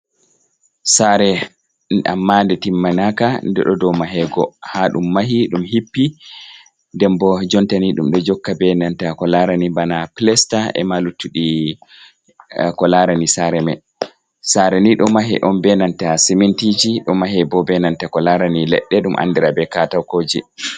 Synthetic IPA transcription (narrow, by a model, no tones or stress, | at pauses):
saɾɛ | a̰mːandɛtimːanakandɛɗɔdɔmaɦɛɡɔhaɗṵmːaɦiɗumhipːi | ndɛmbɔd͡ʒɔntaniɗumɗɔd͡ʒɔkːabɛnantakɔlaɾanibanaplɛstaɛ̰malutːuɗi | kɔlaɾanisaɾɛmɛ | saɾɛniɗɔmaɦɛ̰ʔɔnbɛnantasimɛntid͡ʒiɗɔmaɦɛbɔbɛnantakɔlaɾanilɛ̰ɗːɛɗumʔa̰nːdɛɾabɛkatawkoːd͡ʒḭ